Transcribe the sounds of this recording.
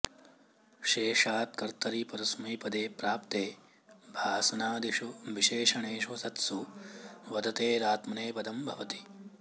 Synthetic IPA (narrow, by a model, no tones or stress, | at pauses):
ʃeːʂaːt̪̚kɐɾt̪ɐɾipɐɾɐsmiːpɐd̪eːpɾaːp̚t̪eː | bʱaːsɐnaːd̪iʂuʋiʃeːʃɐɳeːʃʋɐsɐt̪su | ʋɐd̪ɐt̪eːɾaːt̪mɐneːpɐd̪ɐmbʱɐʋɐt̪i̥